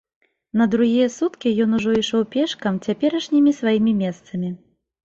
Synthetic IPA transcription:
nɐd̪ɾuɣʲijɐsut̪kʲijɔnuʐɔiʂɔwpʲɛʂkɐmt͡sʲapʲɛɾɐʂnʲimʲisvajimʲimʲɛst̪sɐmʲi

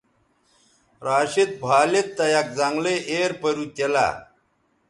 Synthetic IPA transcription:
ɾaːɕit̪̚bʱaːlet̪ːɐjak̚d͡zaŋɡleʔeːɾpɐɾut̪ela̰

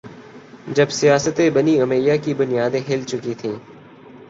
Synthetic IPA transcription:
d͡ʒɐbsijaːsət̪ebəniɐmeːjakibʊnijaːd̪ẽɦɪːlt͡ʃʊkit̪ʰĩː

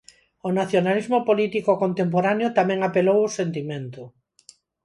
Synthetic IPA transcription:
onaθjonalizmopolit̪ikokont̪emp̬oɾanjot̪amẽŋapelowosent̪imẽnt̪ʊ

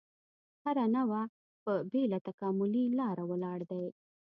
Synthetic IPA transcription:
haɾanawa | pəbelat̪akɑmʊlilɑɾawəlɑɽd̪aj

